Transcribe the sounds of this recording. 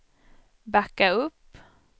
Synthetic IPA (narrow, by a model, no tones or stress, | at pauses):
bakːaɵpː